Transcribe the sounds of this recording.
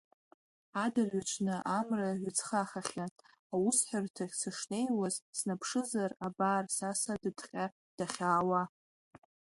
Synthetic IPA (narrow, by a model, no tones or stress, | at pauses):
adaʕʷat͡ʃʷʰnɨʔamraʕʷat͡sʰχaχaχʲa | awusħʷᶣʊrtʰaχʲsɨʂne̞jwazsnapʰʂɨzarabaːrsasadɨdqʲʼa | d̥aχʲaːwa